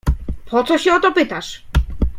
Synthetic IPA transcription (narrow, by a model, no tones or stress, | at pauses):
pʰɔt̪sɔɕɛɔt̪ɔpɘt̪aʂ